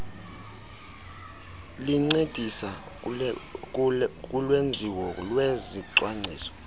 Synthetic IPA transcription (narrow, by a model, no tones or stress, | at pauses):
liŋ͡ǀed̥ʱisa | k̬ʼulwend͡zʱiwɔlweziǀwaŋ͡ǀʱḭːsɔ̥